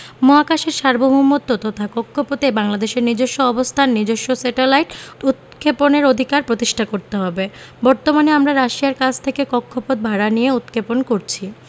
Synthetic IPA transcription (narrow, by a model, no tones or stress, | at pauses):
moakaʃeɾʃaɾboɦumot̪ːot̪ɔt̪ʰakɔkʰːopot̪ebaŋlad̪eʃeɾnid͡ʑoʃːoɔbost̪ʰanːid͡ʑoʃːosɛʈelajʈut̪̚kʰeponeɾod̪ʱikaɾpɾot̪iʃʈʰakoɾt̪eɦɔbe | bɔɾt̪omaneamɾaɾaʃiaɾkad͡ʑʰʱt̪ʰekekɔkʰːopot̪̚bʱaɽanijeut̪̚kʰeponkoɾt͡ɕʰi